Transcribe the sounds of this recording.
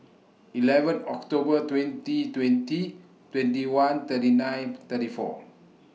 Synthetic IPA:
ʔilɛvə̃nɔkt̪obət̪wɛ̃ntit̪wɛ̃nti | t̪wɛ̃ntiwãnt̪ətinãjnt̪ətifɔ̰

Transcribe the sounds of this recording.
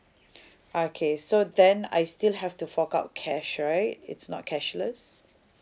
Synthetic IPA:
okʰesodɛ̃na̰jstilhɛftufɔkaʊt̚kʰɛʃɹaɪt̚ɪ̰tsnɔ̰t̚kʰɛʃləs

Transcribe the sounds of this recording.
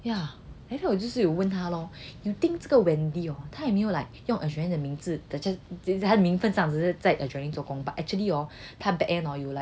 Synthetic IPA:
jaat̪ʰawɔt͡ɕjoʂ̩jowənt̪ʰalɔjut̪iŋt͡səɡəwɛnd̪iɔt̪ʰajɛmejolaɪk̚jʊŋʔəɕɛjɛd̪əmiŋd͡zɹ̩t̪aɛt̪ʰad̪əmiŋfənsɑŋt͡s̩t͡saɪʔət͡ɕwɛ̃nĩt͡swɔkʊ̃ŋbaʔɛk̚t͡ʃuəliɔt̪ʰabɛk̚ɛ̃nɔjulaɪk̚

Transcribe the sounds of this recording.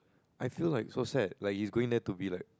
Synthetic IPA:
ʔajfilaɪk̚sosɛt̚lajk̚hisɡoɪ̃ŋdɛtubilaɪk̚

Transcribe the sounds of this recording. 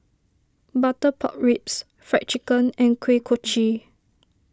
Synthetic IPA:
batəpʰɔ̰ʔ̚ɹips | fɹɛ̰k̚t͡ʃikə̃nɛ̃nkʰwekʰot͡ʃi

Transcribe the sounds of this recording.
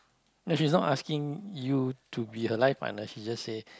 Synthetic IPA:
noʃisnɔtaskɪ̃ŋjutʰubihəlaɪfpa̰ʔnəʃid͡ʒasːe

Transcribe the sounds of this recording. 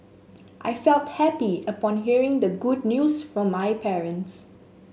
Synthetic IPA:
ʔa̰jfɛlthɛpiəpɔ̃nɦiəɹɪ̃ŋd̪əɡud̚ⁿnjusfɹɔ̃mːajpʰɛɹə̃nts

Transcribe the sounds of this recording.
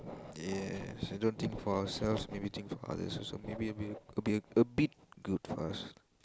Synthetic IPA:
jɛsadõnt̪ʰɪ̃ŋkfɔawəsɛlfsmebit̪ʰĩŋkfɔa̰də̰sso̰mebibibiəbit̚ɡ̥udfɔas

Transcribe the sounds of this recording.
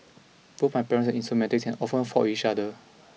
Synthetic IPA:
putmaɪjpɛɹə̃nsɛnĩnstɹumɛtik̚sɛ̃nɔfə̃nfɔit͡ʃadə

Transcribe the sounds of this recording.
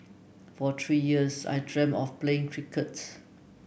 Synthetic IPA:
fɔt̪ʰɹiːjiəsa̰jdɹɛ̃mɔfpleɪ̃ŋkʰɹikʰəts

